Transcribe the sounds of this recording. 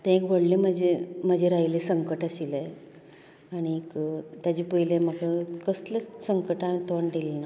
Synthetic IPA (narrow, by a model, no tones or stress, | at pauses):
t̪ẽekʋəɽlẽm̤əd͡ʑem̤əd͡ʑeɾaɦilesəŋkəʈaɕile | aɽ̃ikt̪jad͡ʑipəɦilẽm̤əkakəsləsəŋkəʈat̪oɳɖʱilnə